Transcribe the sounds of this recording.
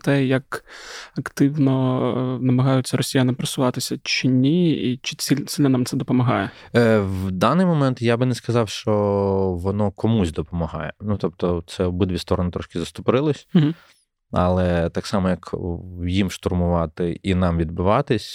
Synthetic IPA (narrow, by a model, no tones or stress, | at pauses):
t̪ɛjɐkɐkt̪ɪwnɔnɐmɐɦɑjʊt͡sʲːɐɾɔsʲijɐnɐpɾɐsʊʋɑt̪ɪsʲɐt͡ʃɪnʲiit͡ʃɪ̥sʲilʲsʲɪlʲnɔnamt̪sɛd̪ɔpɔmɐɦɑjɛ | wd̪ɑnɪjmɔmɛnt̪jabɪnɛskɐzɑwʃt͡ʃɔʋɔnɔkɔmusʲd̪ɔpɔmɐɦɑ̰jɛnut̪ɔpt̪ɔt̪sɛɔbɪd̪ʋʲist̪ɔɾɔnɪt̪ɾɔʃkʲɪzɐst̪ʊpɾɪlˠɔs̩ʲɦ̩ | ɐ̰lˠɛt̪ɑksɑmɔjɐkjimʃt̪ʊrmʊʋɑt̪ɪinɑmʋʲid̪̚bʊʋɑt̪ɪsʲ